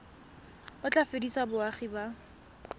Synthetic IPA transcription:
bʊt͡ɬʼafedisabʊaχiba

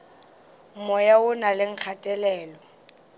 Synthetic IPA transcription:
mɔjaʊnalɪŋ̩k͡xʰatʼɛlɛːlɔ

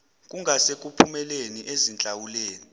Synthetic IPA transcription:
k̬ʼuŋʱasek̬ʼupʰumɛleniʔezint͡ɬʼawuleːni

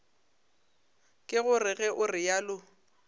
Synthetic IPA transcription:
kʼɪɣʊrɪɣɛʔʊrɪjaːlʊ

